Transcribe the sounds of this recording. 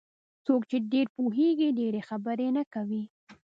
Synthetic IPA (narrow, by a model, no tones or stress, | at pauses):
t͡sokt͡ʃeɖeɾpuɦeɡiɖeɾexabəɾenakawi